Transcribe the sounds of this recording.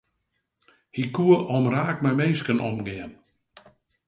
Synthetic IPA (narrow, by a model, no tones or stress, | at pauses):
hikuəʔɔmraːk̚mɛjmeːskənɔ̰mɡɪən